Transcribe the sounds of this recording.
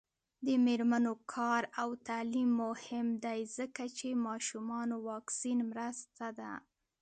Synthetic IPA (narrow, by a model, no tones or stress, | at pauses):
d̪əmeɾmanokʰɑɾawt̪alimːʊhɪmd̪ajzəkat͡ʃemɑʃumɑnowɑksinmɾəst̪ad̪a̰